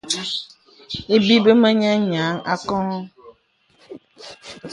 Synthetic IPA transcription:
e˦bi˦be˦mɛ̃˦ɲɛ̃˦ɲã˨˦ŋa̰˨kɔ̃˦

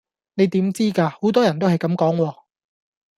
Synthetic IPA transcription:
ne˨˧jt̪iː˨˥mt͡siː˥kaː˧ho˨˥wt̪ɔː˥jɐ˨˩nt̪o˥ɦɐ˨jkɐ˨˧˥mkɔː˨˥ŋwɔː˧

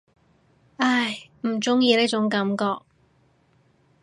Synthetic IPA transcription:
a˥˩jm̩˨˩t͡sʊ˥ŋjiː˧ne˥t͡ʃʊ˨˥ŋkɐ˨˥mkɔː˧k̚

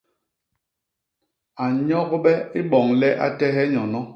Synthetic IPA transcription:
a˨ɲɔ˦ɡɓɛ˦i˦ɓɔ˨ŋlɛ˦ʔa̰˦tɛ˦ɦɛ˦ɲɔ˨nɔ˦

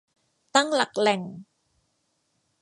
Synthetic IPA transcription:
t̪a˥˩ŋla˨˩k̚lɛ˨˩ŋ

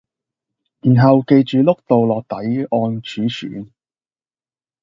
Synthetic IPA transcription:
jiː˨˩nɦɐ˨wke˧jt͡ʃyː˨lʊ˥k̚t̪o˨wlɔː˨k̚t̪ɐ˨˥jɔː˧nt͡ʃʰyː˨˥sy̰ː˨˥n

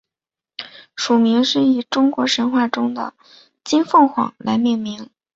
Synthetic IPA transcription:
ʂu˨˩mi˧˥ŋʂɻ̩˥˩i˨˩ʈ͡ʂʊ˥ŋkwɔ˧˥ʂə˧˥nxwa˥˩ʈ͡ʂʊ˥ŋd̪ə̰˨ | t͡ɕi˥nfɤ˥˩ŋxwɑ̰˨˩ŋla̰˧˥ɪmjɛ˥˩nmi˧˥ŋ

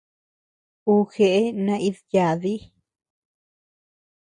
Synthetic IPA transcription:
u˧xe˨ʔe˦nã˧i˦ðja˨ði˦

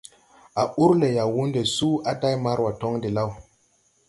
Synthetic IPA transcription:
a˨ʔu˦ɾle˨ja˨wu˦nde˨su˦ʔa˨ta˦jma˦ɾwa˨to˦ŋdi˨la˦w

